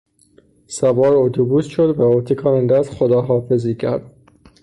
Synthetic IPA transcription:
sæbɒːɾot̪ʰubuːsʃod̪væot̪ʰikʰɑːnænd̪æzxod̪ɒːɦɒːfeziːcʰæɾd̪̥

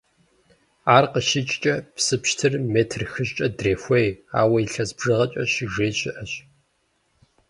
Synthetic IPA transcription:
aːrqəʃɪt͡ʃʼt͡ʃʼɐpsɨpʃtʰɨrmeːtʰrxɨɕt͡ʃʼɐdreːfʷeja̰ːwɐiɬɐzbʐɨʁɐt͡ʃʼɐʃiʒeːɕɪʔɐɕ

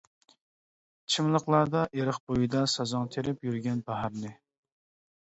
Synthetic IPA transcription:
t͡ʃʰimlˠəqlˠɑɾd̪ɑʔeɾəχbojid̪ɑsɑzɑŋt̪ʰeɾɪpjyɾɡʲɛnbæɦɑɾnɪ

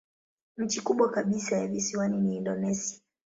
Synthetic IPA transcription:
m̩t͡ʃikuɓwakaɓisajavisiwaniniːndɔnɛsia

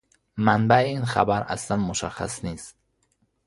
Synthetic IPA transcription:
manbaiinχa̰baɾa̰slanmoʃa̰χa̰snist̪

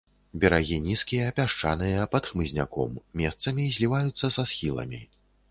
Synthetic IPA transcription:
bʲɛɾaɣʲinʲiskʲijɐːpʲaʂt͡ʂa̰nɨjɐpɐt̪xmɨzʲnʲa̰kɔ̰mːʲɛst̪sɐmʲizʲlʲivajut̪sːɐsasxʲilˠɐ̰mʲi

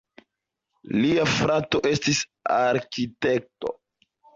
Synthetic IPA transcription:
liafɾato̞ʔe̞stisaɾkite̞k̚to̞̰

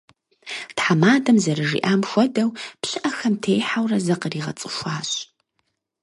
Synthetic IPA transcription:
tħamaːdɐmzɐɾɨʐḭːʔaːmxʷɔdɐwpɕɨʔɐxɐmtʰeːjħawrɐzɐqəriːʁɐ̰t͡sʼɨ̥ʃʷaːɕ

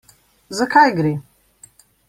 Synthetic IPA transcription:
zɐkʰajɡɾi

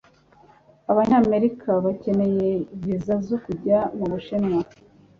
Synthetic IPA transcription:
aβaɲaːme̞ɾikʰaβace̞ne̞je̞iβizazokuɟamuβuʃenŋa

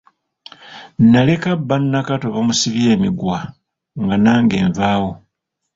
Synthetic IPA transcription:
nːale̞kabːanːakato̞βamusiβje̞ːmiɡwa | ŋɡanaːŋɡe̞ːɱvaːwo̞

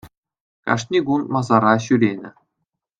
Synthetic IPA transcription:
kɑ̰ʂnʲiɡunmɑzɑɾɑɕyɾʲenʲɘ̆

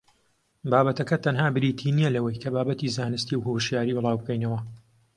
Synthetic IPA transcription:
baːbɐt̪ɐkɐt̪ʰɐnhaːbɨɾiːt̪ʰiːnijɛlɐwɐjkʰɐbaːbɐt̪iːzaːnɨst̪iwɦoʃjaːɾiːbɨlˠɑːwbkɐjnɐwɐ

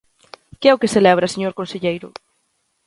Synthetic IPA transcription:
keɛʊkeselɛβ̞ɾɐseɲoɾkõnseʎejɾʊ̰

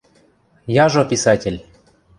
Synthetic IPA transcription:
jaʒopʲisatʲelʲ

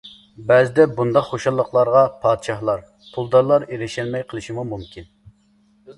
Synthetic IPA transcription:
bɛzɪd̪ɛbund̪ɑqχoʃɑlˠːəqʰlˠɑɾʁɑpʰɑːd̪ʃɑhlˠɑɾ | pʰulˠd̪ɑɾlˠɑɾeɾɪʃɛlmɛjqʰəlˠɨʃimumumkʲʰin

